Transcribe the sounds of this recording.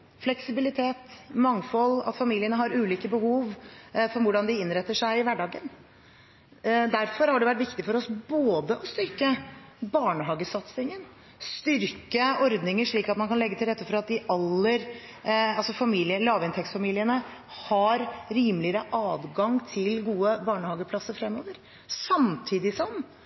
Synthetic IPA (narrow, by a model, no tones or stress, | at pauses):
flɛksɪbɪlɪt̪ʰeːt̪mɑŋfɔlɑ̰t̪fɑmiːlɪənəɦɑɾʉːliːkəbəhuːʋfɔɾʋʊɖɑnd̪ɪɪnɾɛt̪ːəʂæɪɪʋæɖɑːɡən | d̪æɾfɔɾhɑɖɛʋæʈːʋɪkt̪ɪfɔɾɔsboːd̪əʔɔst̪ʏɾkəbɑːɳəɦɑːɡəsɑt̪sɪŋən | st̪ʏɾkəɔɾd̪nɪŋəʂɭiːkɑt̪mɑnkɑnlɛɡːət̪ʰɪlɾɛt̪ːəfɔɾɑt̪̚d̪ɪʔɑlːəɾ | ɑlsɔfɑmiːlɪəlɑːʋɪnt̪ʰɛksfɑmiːlɪənə | hɑɾɾiːmlɪəɾəʔɑːdɡɑŋt̪ʰɪlɡuːəbɑːɳəhɑːɡəpʰlɑsəɾfɾɛmːoːʋəɾ | sɑmt̪ʰiːd̪ɪsɔm